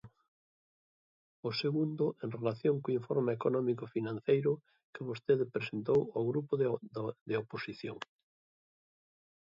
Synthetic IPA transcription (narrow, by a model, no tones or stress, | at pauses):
ʊseɣund̪ʊʔẽnrelaθjoŋkoiɱfoɾmeekonɔmikofinãn̟θejɾʊ | kɪβost̪eðɪpɾesent̪owoɣɾupʊd̪ɪoposiθjo̰ŋ